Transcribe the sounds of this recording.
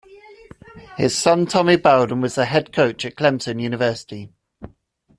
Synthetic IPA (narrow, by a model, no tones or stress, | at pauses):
hɪz̥sʌ̃ntʰɒmibaʊlˠdⁿn̩wɒzðəɦɛd̚kʰəʊt͡ʃəʔkʰl̥ɛ̃m̚tʰə̃njʉːñɪvɜˑsɪ̥ti